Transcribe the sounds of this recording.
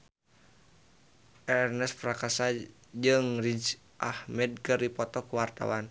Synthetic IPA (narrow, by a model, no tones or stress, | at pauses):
ʔɛrnɛspɾakasa | d͡ʒɨŋrid͡ʒ | ʔahmɛd̚kɨrdipɔt̪ɔkuwart̪a̰wan